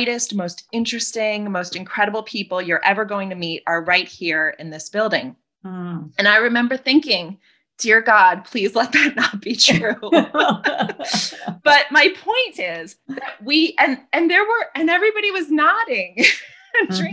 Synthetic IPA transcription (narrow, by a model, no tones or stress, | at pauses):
ɪɾɨstmoʊstɪ̃nt͡ʃɹ̥ɨstɪ̃ŋmoʊstɨ̃nkʰɹ̥ɛɾəbl̩ˠpʰipl̩ˠjə˞ʔɛvə˞ɡoʊɪ̃ŋtʰɨmiɾə˞ɹaɪt̚hiɹɪ̰̃nðɪsb̥ɪlˠdɪ̃ŋ | ɨ̃ñaɪɹɨmɛ̃mbə˞θɪ̃ŋkɪ̃ŋ | d̥ɪɹɡɑd̚pʰl̥izlɛt̪̚ðɨtⁿnət̚b̥itʰɹɹ̥ʉ | b̥ʌt̚maɪpʰɔ̃ɪ̃ntɪz̥ðt̚wiʔɨ̃nɨ̃nðə˞wə˞ʔɨ̃nɛvɹibɑɾiwʌznɑɾɪ̃ŋ | d